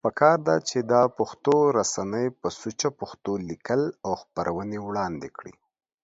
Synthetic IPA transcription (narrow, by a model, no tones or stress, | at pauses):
pəkɑɾd̪a̰t͡ʃed̪ɑpaxt̪oɾasanəjpəsut͡ʃapaxt̪olikəlawxpəɾʔawənewɽɑnd̪ekɽḭ